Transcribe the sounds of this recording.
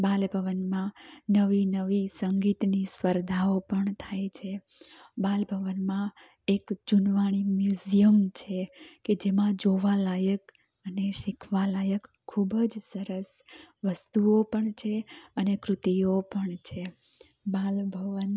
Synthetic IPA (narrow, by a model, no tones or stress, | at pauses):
balbʱəʋənmãnəʋinəʋisəŋɡit̪nisʋəɾd̪ʱaopəɳt̪ʰajt͡ʃʰe | balbʱəʋənmã | ekd͡ʒʊnʋaɽ̃imjuzijəmt͡ʃʰeked͡ʒemãd͡ʒoʋalajək | əneʃɪkʰʋalajəkʰːubəd͡ʒsəɾəs | ʋəst̪uopəɳt͡ʃʰeənekɾʊt̪ijopəɳt͡ʃʰe | balbʱəʋən